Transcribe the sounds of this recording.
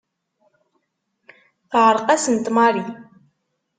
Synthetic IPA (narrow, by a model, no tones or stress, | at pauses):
θʕəɾˤqasənt̪mɑɾi